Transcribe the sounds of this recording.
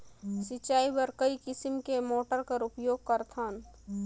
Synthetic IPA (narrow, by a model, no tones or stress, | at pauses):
sɪt͡ʃaːibəɾkəikɪsɪmkemoːʈəɾkəɾʊpjoːɡ̚kəɾt̪ʰaːn